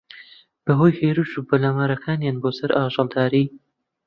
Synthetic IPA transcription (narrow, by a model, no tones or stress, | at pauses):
b̥əɦoːjheːɾuːʃuːbɐlaːmaːɾɐkʰaːnjaːnboːsɐɾʔaːʒɑld̪aːɾiː